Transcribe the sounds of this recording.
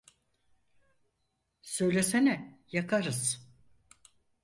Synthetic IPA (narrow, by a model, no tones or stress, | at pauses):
sø̞jlʲesenɛjakʰaɾɯz̥